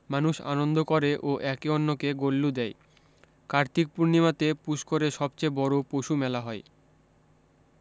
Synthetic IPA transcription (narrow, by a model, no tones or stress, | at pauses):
manuʃa̰nond̪ʱokoɾeʔoʔɛkeɔnːokeɡolːud̪ɛj | kaɾt̪ik̚puɾnimat̪epuʃkoɾeʃɔbt͡ɕebɔɾopoʃumɛlaɦɔe